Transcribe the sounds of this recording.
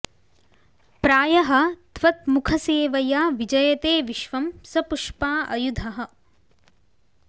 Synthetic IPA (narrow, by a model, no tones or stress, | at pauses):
pɾaːjɐɦɐ̆t̪ʋɐt̪̚mukʰɐseːʋɐjaːʋid͡ʒɐjɐt̪eːʋiʃʋɐmsɐpuʂpaːʔɐjud̪ʱɐɦɐ̆